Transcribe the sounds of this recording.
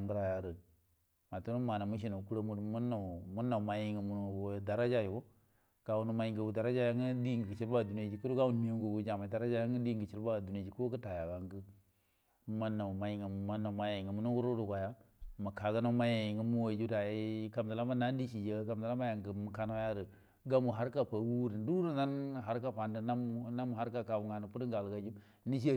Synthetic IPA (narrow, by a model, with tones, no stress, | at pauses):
ŋɡɾa˦ja˨ɾə˨ | ma˨tu˦nu˦ma˨na˨mu˦ʃ̬i˦no˨ku˦ɾo˦mu˦dmu˦na˨mu˦na˨ma˨ji˦ŋɡə˨mu˨n˦wo˦˨da˨ɾa˦d͡ʒa˦ji˨wo˦ | ɡ̥a˨wu˦nu˦ma˨˦ji˦ŋɡə˨wu˨da˨ɾa˦d͡ʒa˦ja˦ŋə˦di˦ɡə˨ɡə˨t͡ʃi˦ɾba˦˨du˨n˦e˦d͡ʒi˨ku˦ɾu˦ɡa˦u˦n˦mi˦o˦ɡu˨wu˦d͡ʒa˨ma˨da˨ɾa˦d͡ʒa˦a˦ŋ˦ə˦di˦ŋɡə˨t͡ʃi˦ɾba˦˨du˨ne˨d͡ʒi˨ku˦kə˦ta˨ja˨ɡa˨ŋɡə˦ | ma˨na˨ma˨ji˨ŋə˨m˨ma˨na˨ma˨ja˨ji˨ŋə˨mu˨˦nu˦wu˦ɾo˦du˨ka˨ja˦ma˨ka˨ɡa˦no˦ma˦ja˨ji˨ŋɡə˦mu˦wa˨d͡ʒu˦da˨ji˦ka˨m˨da˨la˦ma˦na˦n˦di˦ʃi˨d͡ʒe˦ka˨m˨dla˦ma˦ja˨ŋɡə˨mu˨ka˦na˦ja˦ɾə˨ | ɡa˦mu˨ɦa˦ɾka˦˨pa˨˦wu˦ɾi˨n˦du˦ɾu˦na˦nɦa˨ɾka˦pa˨ndə˦na˦m˦na˦mu˨ha˦ɾka˦ka˨bu˨ŋa˨nu˨pu˦ɾi˦ŋɡa˨lɡa˨d͡ʒu˦ | ni˦ʃa˦